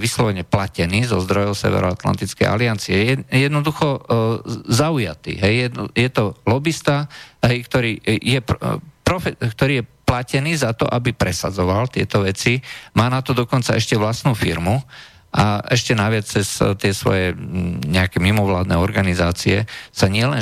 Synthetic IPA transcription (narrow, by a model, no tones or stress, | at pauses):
ʋislɔʋɛɲɛplacɛniːzɔzd̪ɾɔjɔʊsɛ̰ʋɛ̰ɾɔat̪la̰nt̪it͡skɛ̰jʔa̰liant͡siɛɛjɛd̪nɔd̪uxɔ | zauja̰t̪ḭːɦɛjɛjɛt̪ɔlɔbist̪aɦɛjkt̪ɔɾiːjɛpɾɔfɛkt̪ɔɾiːjɛplacɛniːzat̪ɔ̰ʔabipɾɛsad͡zɔʋalt̪ɪɛt̪ɔʋɛt͡simaːnat̪ɔd̪ɔkɔnt͡saɛʃcɛʋlasnuːfiɾmu | ʔaʔɛʃcɛnaʋɪat͡st͡sɛst̪ɪɛsʋɔ̰jɛɲɛakɛmimɔʋlaːd̪nɛɔɾɡanizaːt͡siɛsaɲɪɛlɛn